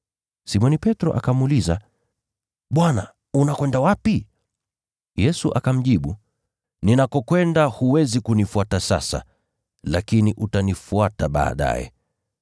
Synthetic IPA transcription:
simɔnipɛtɾɔ̰ʔakamːliza | ɓwana | unakwɛndawapi | jɛsuʔakam̩ʄiɓu | ninakɔkwɛndahuwɛzikunifuatasasa̰ | lakiniʔutanifuataɓa̰ːɗa̰jɛ̰

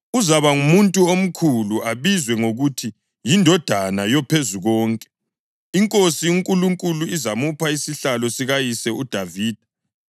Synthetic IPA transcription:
uzaβaŋumuntʼuom̩kʰuluaβizwɛŋoɣutʰi | jindʱɔd̥ʱanajɔpʰezuɣɔːŋkʼɛ̥ | iŋkʼosiiŋkʼuluŋkʼuluizamupʰaisiɬalɔsiɣajisɛud̥ʱaviːd̥ʱa

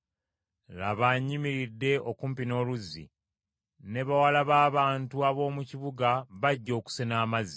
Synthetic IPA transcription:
la̰βaɲːimiɾidːe̞ʔokuːmpino̞ːluzːḭ | ne̞βawalaβaːβaːntuaβo̞ːmuciβuɡaβaɟːo̞ːku̥senaːmazi

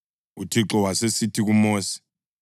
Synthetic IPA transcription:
utʰiǁɔwasesitʰik̬umoːsi̥

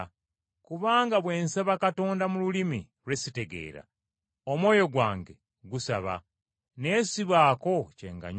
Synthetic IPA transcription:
kuβaːŋɡaβwe̞ːnsaβakato̞ːndamululimḭ | ɾwe̞site̞ɡe̞̰ːɾa̰ | omwo̞ːjo̞ɡwaːŋɡe̞ | ɡusa̰βa̰ | ne̞ːsiβaːko̞cḛːŋɡa̰ɲ

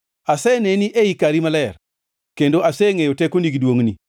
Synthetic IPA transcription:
asɛneniʔeikaɾimalɛɾ | kendoʔasɛŋejotɛkoniɡdwoŋni

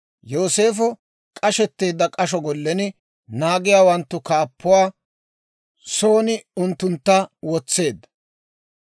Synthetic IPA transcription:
jo̞ːse̞ːfɔ | kʼɐʃɛt̪ːe̞ːd̪ːɐkʼɐʃ̬ɔɡɔlːɛnɪ | naːɡɪjaːwɐnt̪ːʊkaːpːʊwaː | so̞ːnɪʊnt̪ːʊnt̪ːɐwɔt͡sːe̞ːd̪ːɐ̥

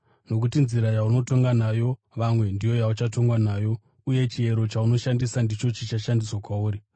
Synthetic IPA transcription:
no̞k̬utinziɾajauno̞to̞ŋɡanajo̞ | ʋamwe̞ndijo̞jaut͡ʃato̞ŋɡwanaːjo̞ | uje̞t͡ʃie̞ɾo̞t͡ʃauno̞ʃandisandit͡ʃo̞t͡ʃit͡ʃaʃandiswakwauːɾi

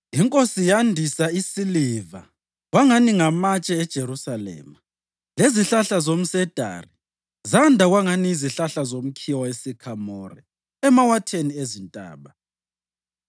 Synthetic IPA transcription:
iŋkʼosijandʱisaisiliva̰ | ɣwaŋaniŋamat͡ʃʼɛɛd̥ʒ̥ʱeɾusalɛ̰ːma | leziɬaɬazom̩sɛd̥ʱa̰ri | zandʱaɣwaŋaniːziɬaɬazom̩kʰiwaesikʰamɔrɛ̰ | ɛmawatʰeniezintʼa̰ːβa

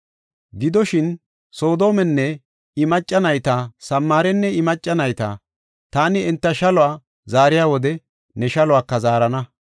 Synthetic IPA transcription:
ɡɪd̪ɔʃɪn | so̞ːd̪o̞ːmɛnːɛ | ɪmɐt͡ʃʼːɐnɐjt̪aːsɐmːaːɾɛnːɛɪmɐt͡ʃʼːɐnɐjt̪a̰ː | t̪aːnɪɛnt̪ːɐʃɐlʊwaː | zaːɾɪjaːwɔd̪ɛ | nɛʃɐlʊwaːkːɐzaːɾɐnɐ

